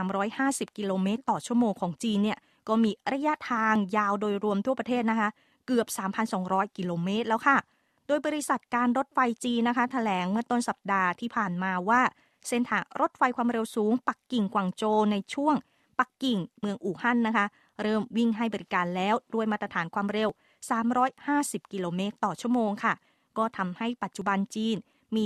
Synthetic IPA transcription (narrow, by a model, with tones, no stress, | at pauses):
aː˩˦mɾɔː˦˥jhaː˥˩si˨˩p̚ki˧loː˧meː˦˥t̪ːɔː˨˩t͡ɕʰu˥˩əmoː˧ŋkʰɔː˩˦ŋt͡ɕiː˧nːi˥˩ə | kɔː˥˩miː˧ɾa˧ja˦˥t̪ʰaː˧ŋjaː˧wdoː˧jɾu˧əmt̪ʰu˥˩pɾa˧t̪ʰeː˥˩t̪̚na˦˥kʰa˦˥ʔ | kɯ˨˩əp̚saː˩˦mpʰa˧nsɔː˩˦ŋɾɔː˦˥jki˧loː˧meː˦˥t̪̚lɛː˦˥wkʰa˥˩ | doː˧jbɔː˧ɾi˦˥sa˨˩t̪̚kaː˧nɾo˦˥t̪̚fa˧jt͡ɕiː˧nːa˦˥kʰa˦˥t̪ʰa˧lɛː˩˦ŋmɯ˥˩ət̪o˥˩nsa˨˩p̚daː˧t̪ʰiː˥˩pʰaː˨˩nmaː˧waː˥˩ | se˧˩nt̪ʰaː˩˦ɾo˦˥t̪̚fa˧jkʰwaː˧mɾe˧wsuː˩˦ŋpa˨˩kːi˨˩ŋkwaː˨˩ŋt͡ɕoː˧na˧jt͡ɕʰu˥˩əŋ | pa˨˩kːi˨˩ŋmɯ˧əŋʔuː˨˩ha˥˩nːa˦˥kʰa˦˥ | ɾɤː˥˩mwi˥˩ŋɦa˥˩jbɔː˧ɾi˦˥kaː˧nlɛː˦˥wdu˥˩jmaː˥˩t̪ɾa˧t̪ʰaː˩˦nkʰwaː˧mɾe˧w | saː˩˦mɾɔː˦˥jhaː˥˩si˨˩p̚ki˧loː˧meː˦˥t̪ːɔː˨˩t͡ɕʰu˥˩əmoː˧ŋkʰa˥˩ | kɔː˥˩t̪ʰa˧mha˥˩jpa˨˩t̪̚t͡ɕu˨˩ba˧nt͡ɕiː˧n | miː˧